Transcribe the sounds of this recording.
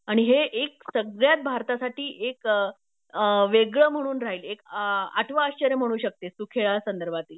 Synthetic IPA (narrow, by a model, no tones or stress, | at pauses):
aɽ̃iɦeʔek̚səɡɭjat̪̚bʱaɾt̪asaʈʰiːʔek | ʋeɡɭəm̤əɽ̃uːnɾaɦiːlekaʈʰʋəaɕt͡ɕəɾjəm̤əɽ̃uːɕək̚t̪esukʰeɭasənd̪əɾbʱat̪iːl